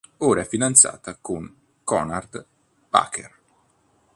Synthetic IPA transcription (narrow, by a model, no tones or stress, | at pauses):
oːɾaɛfinant̪sa̰ːt̪akoŋ | kɔnard̪ | pa̰ːkʰḛr